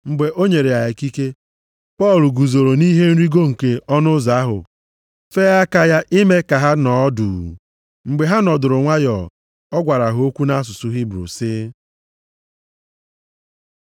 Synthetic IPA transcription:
ŋ͡m̩˨ɡ͡be˨ʔo˦ɲe˨ɾe˨a˨e˨ki˦ke˦ | pɔ˦˨lu˨ɡu˨zo˨ɾo˨ni˦ɦe˦n̩˦ɾi˦ɡo˦ŋ̩˨ke˦ɔ˦nʊ˦za˨a˦ɦʊ̰˨ | fe˦a˦ka˦ja˦ʔɪ˦me˦ka˨ɦa˦nɔ˨˦duː˨ | ŋ͡m̩˨ɡ͡be˨ɦa˦nɔ˨dʊ˨ɾʊ˨ŋʷa˦jɔ˨ | ɔ˦ɡʷa˨ɾa˨ɦʊ˨˦o˦kʷu˦na˦a˦s̬ʊ˨sʊ˨ɦi˦bɾṵ˨sɪ˦

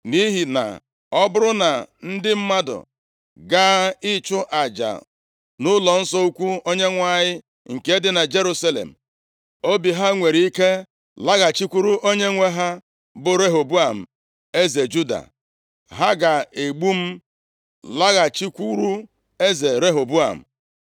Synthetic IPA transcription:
ni˦ɦi˨na̰˨ | ɔ˦bʊ˦ɾʊ˦na˨n̩˦dɪ˦m̩˦ma˦dʊ̰˨ | ɡa˦ɪ˦t͡ʃʊ˦ʔa˨d͡ʒa̰˨ | nʊ˦lɔ˨n̩˦sɔ˦u˦kʷu˦o˦ɲe˦ŋʷa˦˨ɲɪ˦ | ŋ̩˨ke˨˦dɪ˦na˨d͡ʒe˦ɾu˦sa˦lḛ˨m̩˨ | o˦bi˨ɦa˦ŋʷe˨ɾi˦ke˦ | la˦ɣa˨t͡ʃi˦kʷu˦ɾu˦ʔo˦ɲe˦ŋʷe˦ɦa˦ | bʊ˨ɾe˦ɦo˨bu˦a˨m̩˨ | e˦ze˨d͡ʒu˦da̰˨ | ɦa˦ɡa˨e˨ɡ͡bu˦m̩˦ | la˦ɣa˨t͡ʃi˦kʷu˦ɾu˦ | e˦ze˨ɾe˦ɦo˨bu˦a̰˨m̩̰˨

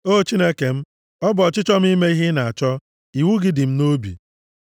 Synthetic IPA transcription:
o˦˨t͡ʃi˦ne˦ke˨m̩˦ | ɔ˦bɔ˨t͡ʃɪ˦t͡ʃɔ˦m̩˦i˦me˦i˦ɦɪ˦na˨a˨t͡ʃɔ˦ | i˨wu˦ɡɪ˨dɪ˨m̩˦no˦bḭ˨

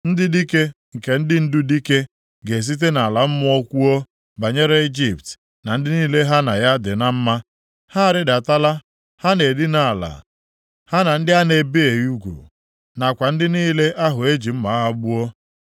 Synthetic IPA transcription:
n̩˦dɪ˦di˦ke˦ | ŋ̩˨ke˨n̩˦dɪ˦n̩˦dʊ˦di˦ke˦ | ɡe˨s̬i˦t̬e˦na˨la˨m̩˦mʊ˦o˦kʷu˦o˦ | ba˨ɲe˦ɾe˦i˦d͡ʒi˨pt | na˨n̩˦dɪ˦niː˦le˦ɦa˦na˨ja˦dɪ˨na˦m̩˦ma˦ | ha˦a˨ɾɪ˦da˨ta˦la˦ | ha˦ne˨dɪ˦na˨la̰˨ | ha˦na˨n̩˦dɪ˦a˦ne˨be˦e˨ju˦ɡʷṵ˨ | na˨kʷa˨n̩˦dɪ˦niː˦le˦ʔa˦ɦʊ˨e˦d͡ʒi˨m̩˦ma˨a˦ɦa˦ɡ͡bʊ˦o˦

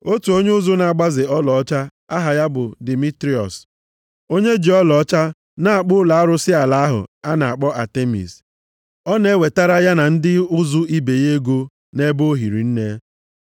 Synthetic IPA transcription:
o˦tu˨o˦ɲ˦ʊ˦zʊ˦na˨a˨ɡ͡ba˦zɪ˨ɔ˦lɔ˨ɔ˦t͡ʃa˦ | a˦ɦa˨ja˦bʊ˨di˨mi˦tɾi˦ɔ̰˨s | o˦ɲe˦d͡ʒi˨ɔ˦lɔ˨ɔ˦t͡ʃa˦ | na˨a˨k͡pʊ˦la˨a˦ɾʊ˦sɪ˦a˨la˨a˦ɦʊ̰˨a˦na˨a˨k͡pɔ˦ʔa˨te˦mḭ˨s | ɔ˦ne˦we˨ta˦ɾa˦ja˦na˨n̩˦dɪ˦ʊ˦zʊ˦i˦be˨je˦ɡo˦ | ne˦bo˦ɦi˨ɾḭ˨n̩˦ne˦

